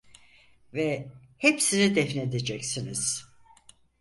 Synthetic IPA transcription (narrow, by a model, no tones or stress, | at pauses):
vɛ | hepsinid̪ɛfned̪ed͡ʒɛcsiniz̥